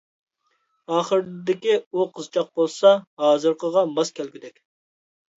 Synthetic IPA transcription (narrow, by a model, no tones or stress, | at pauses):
ɑːχəɾd̪ɪkʲiuqʰəzt͡ʃʰɑq̚bolˠsɑɦɑːzɨɾqəʁɑmɑskʲʰælɡʲyd̪ɛkʲ